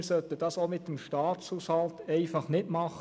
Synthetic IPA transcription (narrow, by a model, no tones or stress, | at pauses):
ɾsœt̪əd̥ɑːsomɪt̚ːəmʃtɑːt̪shuːshɑltɛɪfɑχnɪdmɑχ